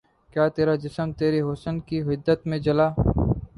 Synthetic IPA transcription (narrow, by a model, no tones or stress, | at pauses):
kjaːt̪eːɾaːd͡ʒɪsəmt̪eːɾeːɦoːsənkiːɦɪd̪ːət̪mẽd͡ʒəlaː